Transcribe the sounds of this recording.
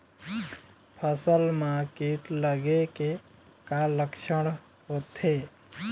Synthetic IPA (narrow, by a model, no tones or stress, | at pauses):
pʰəsəlmakeʈləɡeke | kaləkʃəɽ̃ | ɦot̪ʰe